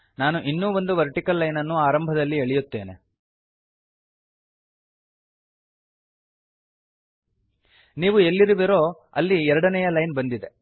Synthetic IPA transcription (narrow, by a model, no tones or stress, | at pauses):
naːnuʔinːuːʋo̞nd̪uʋɐɾʈikɐlːɐjnɐnːuaːɾɐmbʱɐd̪ɐlːieɭijut̪ːe̞ːnḛ | niːʋuelːiɾuʋiɾo̞ː | ɐ̰lːiɛɾɐɽɐnɛjɐlɐjnbɐnd̪id̪e̞